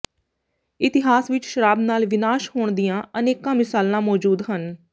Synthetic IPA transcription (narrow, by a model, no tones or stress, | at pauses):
ɪt̪ɪɦaːsʋɪt͡ʃʃəɾaːbnaːlʋɪnaːʃɦoːɳd̪ijãːəneːkãːmɪsaːlãːmɔːd͡ʒuːd̪ɦən